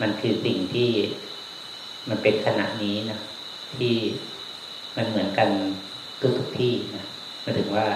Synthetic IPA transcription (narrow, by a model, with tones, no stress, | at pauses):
ma˧nkʰɯː˧si˨˩ŋt̪ʰiː˥˩ | ma˧npe˧nkʰa˧na̰˨˩ʔniː˦˥nɔ˦˥ | t̪ʰiː˥˩ | ma˧nmɯ˩˦ənka˧n | d̪̥u˧˦t̪ʰu˨˩k̚t̪ʰiː˥˩na˦˥ | mɯ˧˦t̪ʰɯ˩˦ŋwaː˥˩